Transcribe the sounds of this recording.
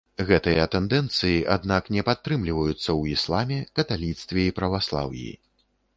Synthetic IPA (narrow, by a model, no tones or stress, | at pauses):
ɣɛt̪ɨjɐt̪ɛnd̪ɛnt̪sɨjiʔad̪naknʲɛpat̪ːɾɨmlʲivɐjut̪sːɐwislˠamʲɛkɐt̪alʲit̪st̪vʲɛipɾɐvaslˠa̰wj̰ḭ